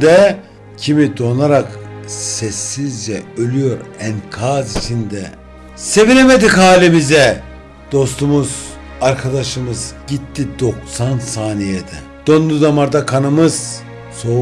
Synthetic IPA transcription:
d̪ɛ | cʰimid̪o̞nˠaɾaksɛsːizd͡ʒɛølʲyjo̞ɾɛnkʰazit͡ʃʰind̪ɛ | se̞vinemed̪ikɦaːlʲimizɛ | d̪̥o̞st̪umuz̥ | aɾkʰad̪aʃɯmɯzɟit̪ʰːid̪o̞ksansaːnijed̪ɛ̰ | d̪̥o̞nd̪ud̪amaɾd̪akʰanɯmɯz̥ | so̞

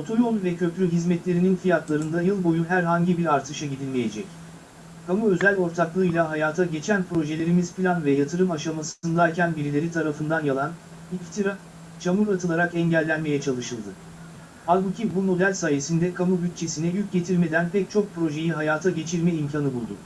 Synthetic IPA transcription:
ot̪ʰo̞jo̞lˠvɛcʰø̞plʲyɦizmɛt̪lʲe̞ɾininfijat̪lˠaɾɯnd̪ajɯlˠbo̞juɦæɾɦaɲɟibiɾaɾt̪ʰɯʃaɟid̪ilʲmeje̞d͡ʒɛc | kʰamuø̞zælʲo̞ɾt̪ʰaklˠɯːjlʲˠaɦajaːt̪ʰaɟe̞t͡ʃʰænpɾo̞ʒe̞lʲe̞ɾimiz̥pilʲanvɛjat̪ʰɯɾɯmaʃamasɯnd̪ajʲcʰænbiɾilʲe̞ɾit̪ʰaɾafɯnd̪anjalˠan | ift̪ʰiɾa | t͡ʃʰamuɾat̪ʰɯlˠaɾakɛɲɟælʲːænme̞jɛt͡ʃʰalˠɯʃɯlˠd̪ɯ | halʲˠbucʰibumo̞d̪ælʲsaːje̞sind̪ɛkʰamubyt̪̚t͡ʃʰe̞sinɛjyc̚ɟe̞t̪ʰiɾme̞d̪ænpʰɛc̚t͡ʃʰo̞k̚pɾo̞ʒe̞jiɦajaːt̪ʰaɟe̞t͡ʃʰiɾmɛimcʰanɯbulˠd̪ʊ̰

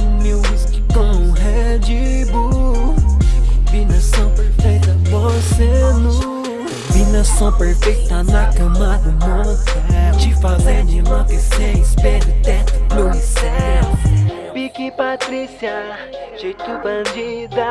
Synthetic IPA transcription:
mewiski̥kõũɦɛ | d͡ʒibu | vĩnɐsõw̃peɾfejt̪ɐmosenu | vĩnɐsõw̃peɾfejt̪ɐnakɐ̃mad̪umosɛd͡ʒifazed͡ʒinɐ̃k̪isẽispɛɾit̪ẽt̪ʊ̥posɛwpikipat̪ɾisiɐʒ̥ejt̪ubɐ̃d͡ʒid̪ɐ

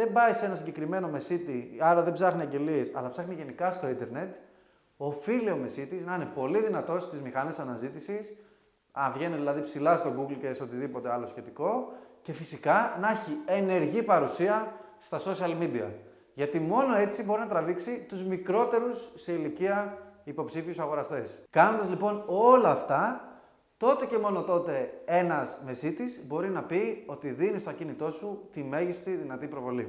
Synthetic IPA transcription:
ðe̞mbɐjsee̞nɐsiɲɟe̞kɾime̞no̞me̞sit̪iɐɾɐðe̞bsɐxniɐɲɟe̞lie̞sɐ̰lɐpsɐxniʝe̞nikɐst̪o̞ind̪e̞ɾne̞t̪ | ofilio̞mesit̪iznɐinepo̞liðinɐt̪o̞st̪izmixɐnesɐnɐzit̪isis | ɐvʝe̞niðilɐðipsilɐst̪o̞ɡuɡlce̞seo̞t̪iðipo̞t̪e̞ɐlo̞sçe̞t̪iko̞ce̞fisikɐnɐeçiene̞ɾʝipɐɾusiɐ | st̪ɐsosiɐlmid̪iɐ̰ | ʝɐt̪imo̞no̞e̞t͡sibo̞ɾinɐt̪ɾɐviksit̪uzmikɾo̞t̪e̞ɾusːeiliciɐipo̞psifiusɐɣo̞ɾɐst̪e̞skɐnond̪ɐzlipo̞no̞lɐːft̪ɐ | t̪o̞t̪e̞ce̞mo̞no̞t̪o̞t̪e̞e̞nɐzme̞sit̪izbo̞ɾinɐpio̞t̪iðinist̪ɐcinit̪o̞sut̪ime̞ʝist̪iðinɐt̪ipɾo̞vo̞lḭ

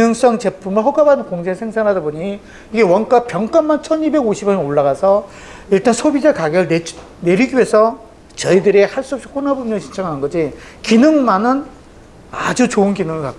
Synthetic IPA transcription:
nɯŋs͈ʌŋt͡ɕe̞pʰumɯɭɦʌɡabanɯnkoŋd͡ʑesʰeŋsʰaŋɦadaboɲi | iɡe̞wʌnk͈apjʌŋk͈anmant͡ɕʰʌnibe̞ɡoɕʰibjʌnnoɭːaɣasʰʌ | iɭt͈ansʰobid͡ʑakaɡeɾɯɭne | ne̞ɾiɡie̞sʰʌ | t͡ɕʌidɯɾihaɭs͈uʌp̚ɕ͈i̥kʰonabumɲʌŋɕʰi̥nt͡ɕʰʌŋɦanɯnɡʌd͡ʑi | kinɯŋmanɯn | a̰d͡ʑut͡ɕoɯnkinɯŋɯɭkak͈̚o

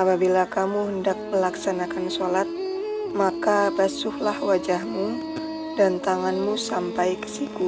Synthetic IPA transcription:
apabilakamuɦəndak̚məlaksanakansolat̪̚ | makabasʊhlahwad͡ʒahmu | dant̪aŋanmusampajkə̥siku

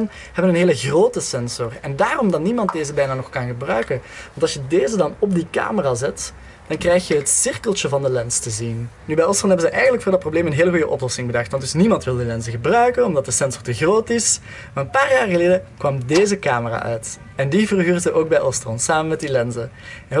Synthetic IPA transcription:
n | hɛbənənɦeːləɣroːtəsɛnzɔrɛndaːrɔmdɑtnimɑnt̚deːzəbɛjnaːnɔxkɑnɣəbrœɥkənʋɑntɑlˠsjədeːzədɑnɔb̚dika̰ːməraːzɛt | d̥ɑnkrɛjxjəɦətsɪrkəlˠt͡ʃəvɑndəlɛnstəzinnybɛjɔstɔnɦɛbənzəʔɛjɣənləkfʊːrdɑt̚probleːmənɦeːləɣujəʔɔ̰plɔsɪŋbədɑxtʋɑntdɵsnimɑntʋɪlˠdilɛnzəɣəbrœɥkənɔmdɑt̚dəsɛnzɔrtəɣroːtɪs | maːrənpaːrjaːrɣəleːdəkʋɑmdeːzəkaːməra̰ːʔœɥt | ɛndivərɦyːrzəʔoːɡ̚bɛjʔɔstrɔnsaːmənmɛt̚dilɛnzə | ɛ

